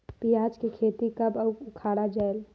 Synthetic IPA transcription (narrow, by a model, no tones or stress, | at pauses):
pijaːd͡ʒkikʰeːt̪ikɐbəʊkʰaːɽad͡ʒɛl